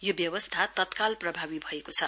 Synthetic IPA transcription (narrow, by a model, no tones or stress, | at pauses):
jobjʌwʌst̪ʰat̪ʌt̪kalprʌbʱabibʱʌekot͡sʰʌ̰